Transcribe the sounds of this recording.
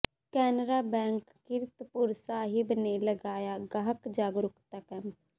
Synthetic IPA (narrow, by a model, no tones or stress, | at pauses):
kɛːnɾabɛ̃ːŋkːɪɾt̪pʊɾsaːɦɪbneləɡaːjaɡaɦəkd͡ʒaːɡɾʊkt̪akɛm